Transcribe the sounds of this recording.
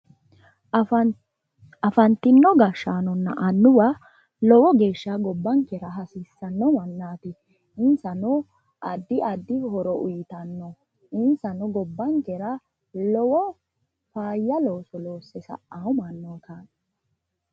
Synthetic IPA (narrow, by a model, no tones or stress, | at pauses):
ɐfɐnt̪ɪnːɔɡɐʃːaːnɔnːɐʔɐnːʊwɐ | lɔwɔɡe̞ːʃːaɡɔbːɐŋkɛɾɐɦɐsisːɐnːɔmɐnːaːt̪ɪ | ɪnsɐnɔ | ʔɐd̪ːɪʔɐd̪ːɪhɔɾɔʔʊjɪt̪ɐnːɔ | ɪnsɐnɔɡɔbːɐŋkɛɾɐ | lɔwɔ | faːjːɐlo̞ːsɔloːsːɛsɐ̰ʔːaʊmɐnːɔkaː